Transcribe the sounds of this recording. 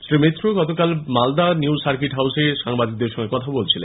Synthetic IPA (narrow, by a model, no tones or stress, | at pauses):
sɾimet̪ːɾoɡɔt̪okalmald̪aniwʃaɾkiʈɦawseʃaŋbad̪ik̚d̪eɾʃɔŋɡekɔt̪ʰabolt͡ɕʰilḛn